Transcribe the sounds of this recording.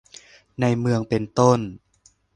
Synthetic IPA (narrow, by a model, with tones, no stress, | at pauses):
na˧jmɯ˧əŋpe˨nt̪o˥˩n